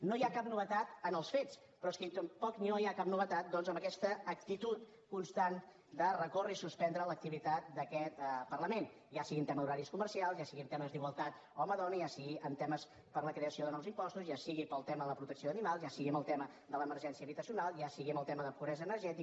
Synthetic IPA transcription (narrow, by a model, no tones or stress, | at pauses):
noiakap̚nuβ̞ət̪at̪ənəlˠsfet͡s | pɾɔskit̪əmpɔkninoiakapnuβət̪at̪̚d̪ɔnzəmbəkɛst̪əːk̚t̪it̪ut̪ | kunst̪an | d̪ərəkorəisuspɛnd̪ɾələk̚t̪iβit̪at̪̚d̪əkɛt̪pərləmen | jasiɣiənt̪ɛməðuɾaɾiskumərsialˠzjasiɣiənt̪ɛməzd̪iɣwəlˠt̪at̪ | ɔməðɔnəjasiɣiʔənt̪ɛməs | pəɾləkɾeəsioðənɔwzimpɔst̪uzjasiɣipəlˠt̪ɛməðələpɾut̪əksioðənimalˠzjasiɣiəməlˠt̪ɛmə | d̪ələməɾʒɛnsiəβit̪əsiunalˠjasiɣiməlˠt̪ɛməðəpuβɾɛzəːnəɾʒɛt̪i